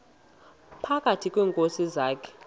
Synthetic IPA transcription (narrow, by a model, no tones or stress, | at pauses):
pʰakʼatʰikʼwɛːŋkʼosizaːkʰɛ̥